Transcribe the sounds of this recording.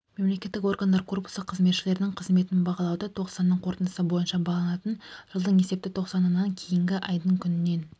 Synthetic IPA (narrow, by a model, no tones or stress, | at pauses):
me̞mle̞kʲe̞t̪ːɪko̞rɡand̪ɑɾkʰo̞rpʊ̥səqʰəzmet̪ʃɪle̞ɾɪnɪŋqʰəzme̞t̪ɪnbɑʁɑlˠɑwd̪ət̪ʰo̞qsɑnːəɴqʰo̞ɾt̪ənd̪əsəbo̞jənʃɑbɑlˠɑnɑt̪ənʒ̥əlˠd̪əɴe̞se̞p̚t̪ɪt̪ʰo̞qsɑnənːɑŋkʲʰe̞jɪŋɡʲɪʔɑjd̪əɴkʲʰʏnɪnːe̞n